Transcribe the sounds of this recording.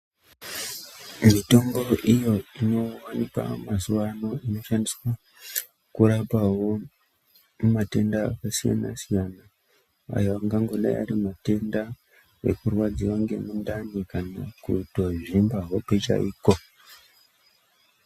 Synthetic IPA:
mito̞mbo̞ʔijo̞ino̞wanika̰masuwano̞ino̞ʃandiswa | kuɾapawo̞ | mumate̞ndaːkasija̰na̰sijana | a̰joaŋɡaŋɡo̞ɗa̰ja̰ɾimate̞nda | e̞̰kurwad͡ziwaŋɡe̞̰mundanikana̰kuto̞ʐimbaɦo̞pet͡ʃa̰ʔiːko̞

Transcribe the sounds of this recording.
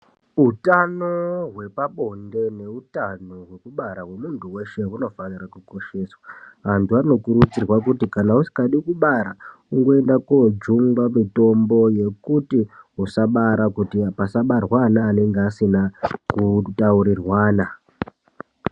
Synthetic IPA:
ɦutanoɦwe̞paɓonde̞ne̞utano̞ɦwekuɓaɾaɦwe̞muntuwe̞ʃe̞uno̞fanirakuko̞ʃe̞ːswaʋantuʋaino̞kuɾut͡sirwakutikanausi̥kaɗikuɓaɾa | uŋɡo̞e̞ndakod͡ʒuŋɡwamito̞mbo̞je̞kutiɦusaɓaɾakutiapasaɓarwanaːne̞ŋɡeasinakutauɾirwaːna

